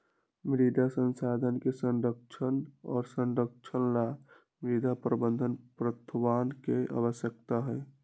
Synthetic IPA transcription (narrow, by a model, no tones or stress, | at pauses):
mɾid̪ʱasə̃nsaːd̪ʱənkesə̃nɖəkt͡ʃʰənɔːɾsə̃nɖək̚t͡ʃʰənla | mɾid̪ʱapɾəbə̃nd̪ʱənpɾət̪ʰwaːnkeʔa̰wəsjək̚t̪aɦɛː